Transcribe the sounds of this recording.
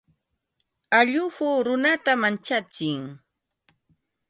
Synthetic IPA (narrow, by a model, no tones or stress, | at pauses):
aʎʊhʊːɾʊnat̪amant͡ʃat͡sɪŋ